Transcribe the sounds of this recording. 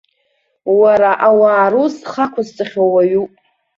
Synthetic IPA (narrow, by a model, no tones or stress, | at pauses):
waɾaʔawaːɾusχakʷʰazt͡sʼaχʲowaɥupʼ